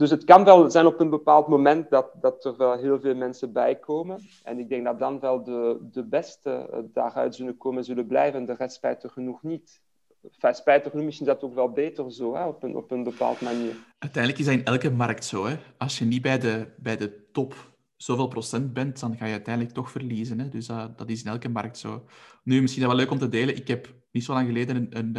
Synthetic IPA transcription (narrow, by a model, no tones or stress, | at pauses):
d̥ɵsətkɑnʋɛlˠzɛjnɔpənbəpaːlˠtmomɛnt̚dɑt̚dɑtərʋɛlˠɦeːlˠveːlˠmɛnsəbɛjkʰoːmən | ʔɛ̰nɪɡ̚dɛŋɡ̚dɑt̚dɑnʋɛlˠdədəbɛstəda̰ːrœ̰ɥtz̥ɵləkoːmənzɵlənblɛ̰jvəndərɛspɛ̰jtərɣənuxnit | fɛspɛjtərənumɪsinzdɑtoːkʋɛlˠbeːtərzoːɦɛɔpənɔ̰pənbəpa̰ːlˠdəmaniːrœɥtɛːndələkɪzdɑtɪnɛlˠkəmɑrk̚tsoːɦɛɑlˠsjənit̚bɛjdəbɛjdətɔp | z̥oːveːlˠprosɛnt̚bɛntd̥ɑnɣaːjəœːɥtɛjndələk̚tɔxfərliːzənɦɛdʏsdɑd̥ɑtɪsɪnɛlˠkəmɑrk̚tsoːnyːmɪsxindɑtʋɛlːøːkɔmtədeːlənɪkɦɛp | nitsoːlɑŋɣəleːdənənən